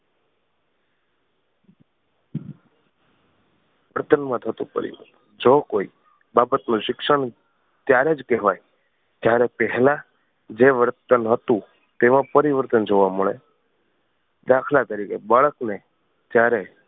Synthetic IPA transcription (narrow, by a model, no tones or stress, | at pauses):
ʋəɾt̪ənmãt̪ʰət̪ṵ̃pə̰ɾḭʋə̰t̪ | d͡ʒokoi | babət̪nũʃɪkʃəɳ | t̪jaɾed͡ʒkɛɦʋaj | t̪jaɾɛpɛɦɛla | d͡ʒeʋəɾt̪ənɦət̪ũ | t̪emãpəɾiʋəɾt̪ənd͡ʒoʋaməɭe | d̪akʰlat̪əɾikebaɭəkne | t̪jaɾe